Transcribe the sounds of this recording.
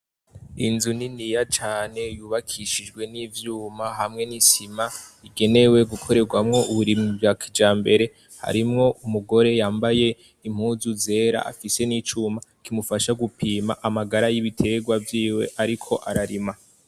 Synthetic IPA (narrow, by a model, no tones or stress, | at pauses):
inzuninijat͡ʃaːne̞juːβakʰiʃid͡ʒɡwe̞nivjuːmaɦamŋe̞nisimaiɡe̞ne̞we̞ɡukʰo̞ɾe̞ɡwamŋo̞uβuɾimŋivɡakʰid͡ʒaːmbe̞ɾe̞ | ha̰ɾimŋo̞ʔumuɡo̞ɾe̞jaːmbaje̞ | im̥huːzuze̞ːɾa̰a̰fise̞nit͡ʃuːmakimufaʃaɡupʰiːma̰ʔamaɡaɾajiβitʰe̞ːɡwavjiːwḛʔaɾikʰo̞ʔaɾaɾima